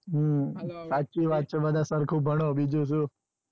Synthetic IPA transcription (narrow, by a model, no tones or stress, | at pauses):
ɦsat͡ʃiʋat̪̚t͡ʃʰebəd̪ʱasəɾkʰub̚ʱəɽ̃obid͡ʒũʃ̬ũ